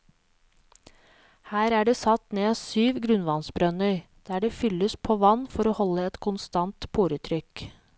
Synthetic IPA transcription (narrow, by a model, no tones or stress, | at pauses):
hæːɾæːɖeːsɑt̪neːɑsyːʋɡɾʉnʋɑnsbɾœnəɾ | d̪̥æːɖeːfʏlːəspʰoːʋɑnːfɔɾoːhɔlːəɛt̪kʰʊnst̪ɑnt̪pʰuːɾət̪ʰɾʏk